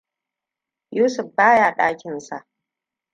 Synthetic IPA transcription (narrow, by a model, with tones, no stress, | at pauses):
juː˦sʊ˨ɸbaː˦jaː˨ɗaː˦kʲɪ˨nsa˨ʔ